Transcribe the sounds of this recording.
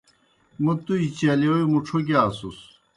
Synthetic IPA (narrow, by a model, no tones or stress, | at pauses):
mut̪uit͡ɕɐliojimuʈ͡ʂʰoɡasus